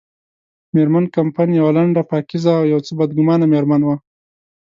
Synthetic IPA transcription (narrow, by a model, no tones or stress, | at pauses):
meɾmankampajnjawalaɳɖapɑkizaːwjawt͡səbad̪̚ɡʊmɑnameɾmanwa